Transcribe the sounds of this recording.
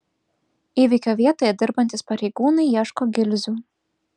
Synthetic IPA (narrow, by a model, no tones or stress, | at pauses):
iːʋʲɪkʲoːʋʲiɛt̪oːjɛd̪ʲɪɾbɐnt̪ʲɪspɐɾʲɛɪɡuːnɐɪjɛːʃkoːɡʲɪlʲzʲuː